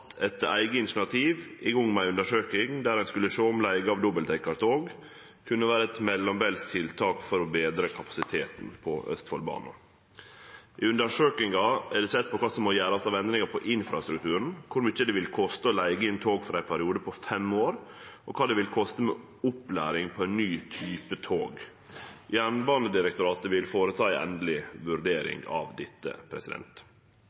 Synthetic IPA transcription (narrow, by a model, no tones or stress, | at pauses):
t̪ʰɛt̪æ̰ɪɡəɪnt̪ɳɑt̪ʰiːʋɪʊŋːmæɪʉnd̪əʂøːkɪŋd̪æɾæɪnskʉlːəʂoːɔmlæɪɡəɑʋd̪ɔbəlt̪ʰɛkːɑɾt̪ʰoːɡ | kʰʉnːəʋæːɾəɛt̪mɛlːɔmbɛːlst̪ʰɪlt̪ʰɑːkfɔɾɔbeːd̪ɾəkʰɑpɑ̥sɪt̪ʰeːt̪n̩pʰɔʔœ̰st̪fɔ̰lbɑ̰ːnə̰ | ʔɪʉnd̪əʂøːkɪŋɑɛɖɛsɛt̪̚ːpɔkʰɑːsɔmɔjæːɾɑst̪ɑːʋɛnd̪ɾɪŋəɾpʰɔʔɪnfɾɑ̰st̪ɾʉk̚t̪ʰʉːɾəɳ̩kʰʊɾmyt͡ʃːəd̪ɛʋɪlkʰɔst̪əɔlæɪɡəɪnt̪ʰoːɡfɔɾæɪnpʰæɾɪuːd̪əpʰɔfɛmoːɾʔɔkʰɑːd̪ɛʋɪlkʰɔst̪əmɛ̰ | ʊplæ̰ːɾɪŋpʰɔæɪnnyːt̪ʰyːpət̪ʰoːɡ | jæːɳbɑːnəd̪ɪɾɛk̚t̪ʊɾɑːt̪əʋɪlfoːɾət̪ʰɑːæɪʔɛ̰nd̪əlɪʋʉɾɖ̪eːɾɪ̰ŋɡɑ̰ʋd̪ɪt̪ːə̰pʰɾɛ̰sɪd̪ɛ̰nt̪